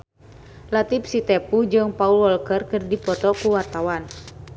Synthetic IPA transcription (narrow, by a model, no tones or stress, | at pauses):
lat̪ipsit̪ɛpud͡ʒɨŋpaulwɔlkərkɨrdipɔt̪ɔkuwart̪awan